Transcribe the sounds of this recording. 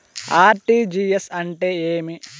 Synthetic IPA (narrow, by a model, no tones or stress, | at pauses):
aːɾʈiːd͡ʒiːesɐɳʈeːeːmi